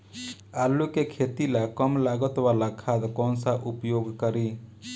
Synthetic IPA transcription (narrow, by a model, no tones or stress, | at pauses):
aːlukekʰet̪ilakəmlaɡət̪walakʰad̪kɔnsaʔupjoɡkəɾi